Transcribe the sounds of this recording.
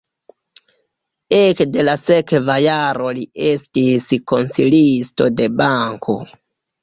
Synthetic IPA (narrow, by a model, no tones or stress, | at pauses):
ekde̞lase̞kvajaɾo̞lie̞stisko̞nsilisto̞de̞baŋkʰo̞̰